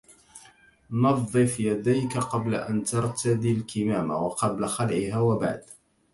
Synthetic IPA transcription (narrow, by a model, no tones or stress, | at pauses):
nɑðˤːɨfjad̪ajkaqɑbla̰ʔant̪ɑɾˤt̪ʰad̪ilkɪmaːma̰wɑqɑblaxalʕɪhaːwaba̰ʕd̪